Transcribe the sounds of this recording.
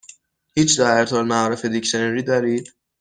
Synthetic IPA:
hiːt͡ʃd̪æeɾt̪ʰɒːlmæɒːɾefed̪icʃeneɾiːd̪ɒɾiː

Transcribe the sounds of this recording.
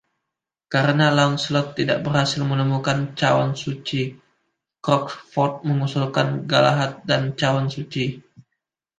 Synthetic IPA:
kaɾənalaʊnsəlɔt̪ːidaʔbərhasɪlmənəmukant͡ʃawa̰nsut͡ʃi | kɾɔkfɔrt̪̚məŋusulkanɡala̰ɦat̪̚dant͡ʃawansut͡ʃi

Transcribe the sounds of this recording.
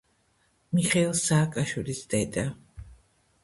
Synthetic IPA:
miχɛilˠsaːkʼaʃwilisd̪ɛd̪a

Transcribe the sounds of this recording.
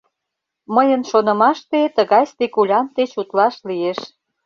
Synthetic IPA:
məjənʃonə̆mɑʃt̪et̪əɣɑjst̪ekulʲɑnt̪et͡ɕut̪lɑʃlieʃ

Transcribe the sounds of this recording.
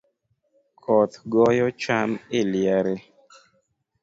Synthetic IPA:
kʰɔt̪ɡɔjɔt͡ʃamɪljaɾe

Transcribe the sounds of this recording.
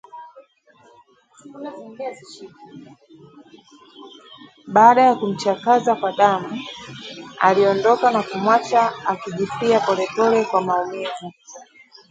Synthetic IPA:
ɓaːɗajakum̩t͡ʃakazakwaɗamu | a̰liɔndɔkanakumwat͡ʃaːkiʄifiapɔlɛpɔlɛkwamaumivu

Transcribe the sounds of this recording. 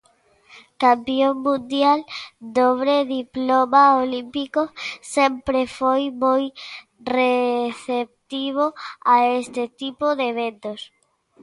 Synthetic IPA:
kampioŋmũnd̪jald̪oβɾeðiplomaolimpikose̞mpɾefojmoj | reθep̚t̪iβ̞oaest̪et̪ipoðeβ̞ent̪os

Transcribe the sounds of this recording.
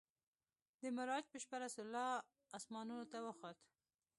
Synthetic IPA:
d̪əmɪɾɑd͡ʒpəʃpaɾasʊlːɑː | smɑnunot̪awəxɑt̪

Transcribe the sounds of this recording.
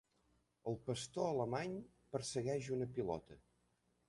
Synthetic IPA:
əlˠpəst̪oələmaɲ | pəɾsəɣɛʒunəpilɔ̰t̪ə

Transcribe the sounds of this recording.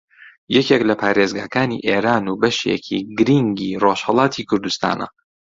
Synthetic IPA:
jɛkeklɐpʰaːɾezɡaːkaːnḭʔeːɾaːnubɐʃḛkʰḭɡɨɾiŋɡiːroʃhɐlˠɑːt̪ʰikʰʊɾd̪ust̪a̰ːnɐ̰

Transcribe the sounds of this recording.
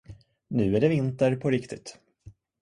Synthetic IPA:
nʉ̟ːæɖɛvɪnt̪əɾpʰɔɾɪkt̪ɪt̪

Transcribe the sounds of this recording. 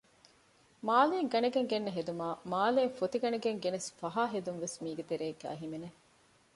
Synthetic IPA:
maːleːŋɡɐnɐɡeŋɡenːɐɦed̪umaːmaːleːŋfot̪iɡɐneɡeŋɡenesfɐɦaːɦed̪unʋesmiːɡet̪eɾeːɡːæ̰ːɦimene

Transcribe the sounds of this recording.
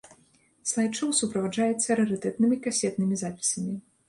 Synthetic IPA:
slˠajt͡ʂɔwsupɾɐvaʐajɛt̪sʲːɐɾɨɾɨt̪ɛt̪nɨmʲikasʲɛt̪nɨmʲizapʲi̥sɐmʲi

